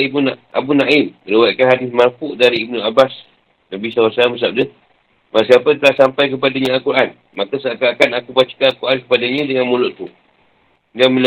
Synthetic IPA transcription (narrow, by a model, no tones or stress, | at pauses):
ibunaa̰bunaʔiməɾewakanɦadɪsmarfʊʔdaɾiːb̚nuabas | nabisawasaaməs̬ap̚dəh | masiapət̪əlahsampajk̬əp̬adaɲãalkuɾʔan | makəsakakanakupat͡ʃə̥kaalkuɾʔankə̥padaɲə̃dəŋanmulɔʔt̪u | ɡamil